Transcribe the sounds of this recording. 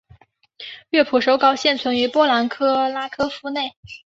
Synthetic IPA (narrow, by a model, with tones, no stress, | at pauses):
ɥɛ˥˩pʰu˨˩ʂo˧˥ʊkɑ˥ʊɕjɛ˥˩nt͡sʰwə˧˥ny˧˥pwɔ˥la˧˥nkʰɤ˥la˥kʰɤ˥fu˥ne˥˩ɪ